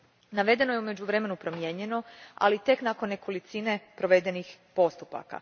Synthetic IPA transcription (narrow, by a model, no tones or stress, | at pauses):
naʋe̞d̪e̞no̞je̞ume̞d͡ʑuʋɾeme̞nupɾo̞mje̞ɲe̞no̞a̰lit̪e̞knako̞nːe̞kolit̪sine̞pɾo̞ʋe̞d̪e̞nixpo̞st̪upa̰ka̰